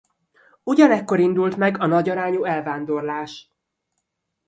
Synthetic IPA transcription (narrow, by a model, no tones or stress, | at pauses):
uɟɒnɛkːo̞ɾind̪ult̪mɛɡɒnɒɟɒɾaːɲuːɛlvaːnd̪o̞rlaːʃ